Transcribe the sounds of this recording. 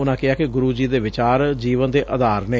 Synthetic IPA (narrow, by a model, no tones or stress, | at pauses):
ʊnãːkɪaːkɪɡʊɾuːd͡ʒiːd̪eːʋɪt͡ʃaːɾd͡ʒiːʋənd̪eːʔəd̪aːɾneː